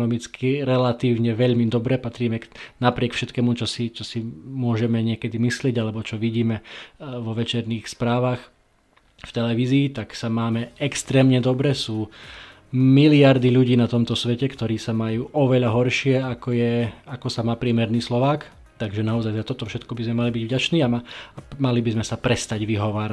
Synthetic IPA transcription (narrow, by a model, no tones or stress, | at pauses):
nɔmit͡skʰiɾɛlat̪iːʊɲɛʋɛʎmid̪ɔbɾɛpat̪ɾiːmɛnapɾɪɛkfʃɛt̪kɛmut͡ʃɔsit͡ʃɔsimʊɔʒɛmɛɲɪɛkɛd̪imislɪɛɟalɛbɔt͡ʃɔʋiɟiːmɛʋɔʋɛt͡ʃɛɾniːxspɾaːʋax | ft̪ɛlɛʋiːziːt̪aksamaːmɛɛkst̪ɾɛːmɲɛd̪ɔbɾɛsuː | miliaɾd̪iʎuɟiːnat̪ɔmt̪ɔsʋɛcɛkt̪ɔɾiːsamajuːʔɔʋɛʎaɦɔɾʃɪɛakɔjɛakɔsamaːpɾɪɛmɛɾniːslɔʋaːk | t̪aɡʒɛnaɔzajzat̪ɔt̪ɔfʃɛt̪kɔbizmɛmalibiɟvɟat͡ʃniːamamalibizmɛsapɾɛst̪aɟʋiɦɔʋaːɾa